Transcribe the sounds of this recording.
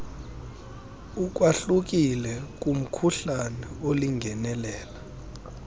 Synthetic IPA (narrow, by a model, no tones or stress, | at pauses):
uk̬waɬuk̬ilɛk̬ʼum̩kʰuɬanɛoliŋʱɛnɛlɛːla